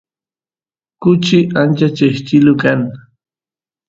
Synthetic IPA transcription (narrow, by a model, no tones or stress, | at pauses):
kʊt͡ʃɪʔant͡ʃat͡ʃeʃt͡ʃɪlʊkan